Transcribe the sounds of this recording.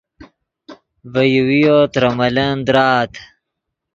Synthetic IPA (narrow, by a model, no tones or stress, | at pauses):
vɐjuwijot̪ɾɐmɐlɐnd̪ɾaːt̪ʰ